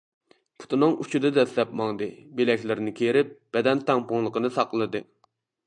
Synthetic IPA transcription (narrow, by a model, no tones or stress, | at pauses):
pʰu̥t̪ʰɨnɨŋut͡ʃʰud̪ɨd̪ɛslɛpmɑŋd̪ɨbelɛkʲlɪɾɪnɪkʲʰejɾɪp̚b̥ɛd̪ɛnt̪ɛŋpʊŋlˠəqənɨsɑqəlˠɨd̪ɨ